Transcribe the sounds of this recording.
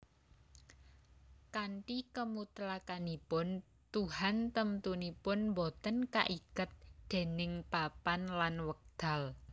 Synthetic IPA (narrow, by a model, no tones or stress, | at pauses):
kaɳʈikəmut̪lakanipʊn | t̪uɦant̪əmt̪unipʊnmbɔt̪ənka̰ʔikət̪̚d̪̥e̤nɪŋpapanlanwək̚d̪̥a̤l